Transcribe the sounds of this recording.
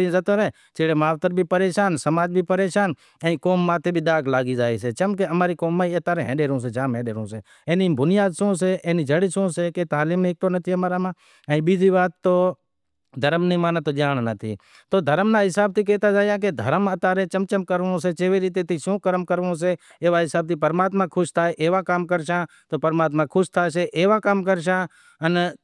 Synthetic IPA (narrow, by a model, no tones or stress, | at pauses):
ĩːzət̪oːɾeː | t͡ʃeːɽeːmaːt̪əɾbʱiːpəɾeːʃaːnsəmaːd͡ʒbʱiːpəɾeːʃaːn | ɛ̃ːĩkoːmːãːt̪ʰeːbʱiːd̪aːɡlaːɡiːd͡ʒaːiːs̬eːt͡ʃəmkeəmaːɾiːkoːmːãːiət̪aːɾẽɦɛ̰̃ːɗeːɾõːs̬eːd͡ʒaːmɦẽːɗeːɾõːseː | ẽːniːbʱʊnɪjaːd̪sõːs̬eːʔeːniːd͡ʒəɽiːsõːseːket̪aːliːmneːk̚t̪oːnət̪ʰiːəmaːɾaːmãː | ɛ̃ibiːd͡ʒiːʋaːt̪ːoː | d̪ʱəɾəmnĩːmaːnt̪oːd͡ʒaːɳnət̪ʰḭː | t̪oːd̪ʱəɾəmnaːɦɪsaːb̚t̪iːk̬eːt̪aːd͡ʒaːjãːk̬ed̪ʱə̰ɾəmət̪aːɾẽːt͡ʃəmt͡ʃəmkəɾʋõseːt͡ʃeːʋeːɾiːt̪̬eːt̪ʰiːʃõːkəɾəmkəɾʋõːs̬eː | eːʋaːɦɪsaːb̚t̪iːpəɾmaːt̪mãːkʰʊʃt̪ʰaːeʔeːʋãːkaːmkəɾʃãː | t̪oːpəɾmaːt̪̬mãːkʰʊʃt̪ʰaːseːʔeːʋãːkaːmkəɾʃãː | ən